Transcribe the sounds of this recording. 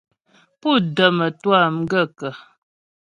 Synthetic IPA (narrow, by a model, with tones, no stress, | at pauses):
pu˦˨də˨mə˨twa˦˨m˦ɡə˦˨kə˨